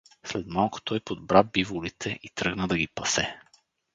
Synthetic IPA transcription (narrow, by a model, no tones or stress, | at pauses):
slɛt̪malˠko̥t̪ɔjpod̪̚bɾavbivʊlit̪ʰɛʔit̪ɾɤɡnəd̪ɐɡipɐsɛ